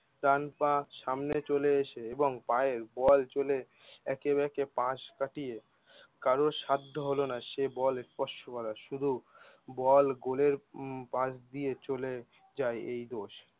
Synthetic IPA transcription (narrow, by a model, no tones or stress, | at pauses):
ʈ̪anpaʃamnet͡ɕoleeʃeeboŋpaeɾbɔlt͡ɕole | ɛkebɛkepãʃkaʈije | kaɾoʃad̪ʱːoɦolonaʃebɔlespɔʃʈokɔɾaʃud̪ʱu | bɔlɡoleɾpãsd̪ijet͡ɕole | d͡ʑaeejd̪oʃ